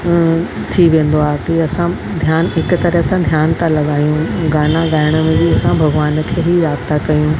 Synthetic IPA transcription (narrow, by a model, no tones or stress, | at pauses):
t̪ʰiʋẽːnd̪oaːɦet̪ɐiɐsã | d̪ʱjaːnɦɪkʊ̆t̪ɐɾesãd̪ʱjaːnt̪ʰalɐɠaːjũɡaːnãɡaːɪɽ̃əmẽbiɐsãbʱɐɡʋaːn̆kʰeːɦiɾaːkt̪akɐjũ